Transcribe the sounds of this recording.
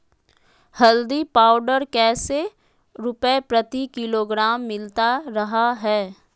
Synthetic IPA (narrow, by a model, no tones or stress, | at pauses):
hɐld̪ipaːʊɖəɾkɛːse | ɾʊpəepɾɐt̪ikɪloːɡɾaːmːɪlt̪aɾɐɦaɦɛː